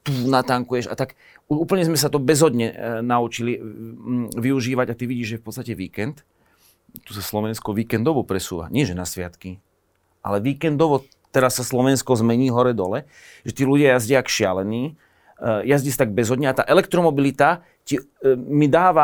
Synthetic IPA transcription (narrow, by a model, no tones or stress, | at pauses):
t̪unat̪aŋkujɛʃa̰t̪ak | uuːpl̩ɲɛzmɛs̬at̪ɔbɛzɦɔd̪ɲɛnaut͡ʃili | ʋiuʒiːʋaɟat̪iʋiɟiːʒʒɛfpɔt̪st̪acɛʋiːkɛnt̪ | t̪usaslɔʋɛnskɔʋiːkɛnd̪ɔʋɔpɾɛsṵːʋa̰ɲɪɛʒɛnasʋɪat̪ki | ʔa̰lɛʋiːkɛnd̪ɔʋɔ | t̪ɛɾasːaslɔʋɛnskɔzmɛɲiːɦɔɾɛd̪ɔlɛ | ʒɛt̪iːluɟɪajazɟɪakʃɪalɛniː | jazɟist̪aɡ̚bɛzɦɔd̪ɲɛat̪a̰ːʔɛlɛk̚t̪ɾɔmɔbilit̪a | ci | mid̪aːʋa